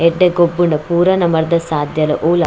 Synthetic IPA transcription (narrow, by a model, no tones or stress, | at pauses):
ɛɖːɐɡobːuɳɐpuːɾɐnɐmɐɾd̪ɐsaːd̪jɐlɐ̰ʔoːla